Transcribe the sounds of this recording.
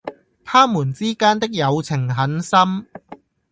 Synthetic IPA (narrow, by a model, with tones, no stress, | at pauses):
t̪ʰaː˥muː˨˩nt͡siː˥kaː˥nt̪ɪ˥k̚jɐ˨˧wt͡sʰɪ˨˩ŋɦɐ˨˥nsɐ˥m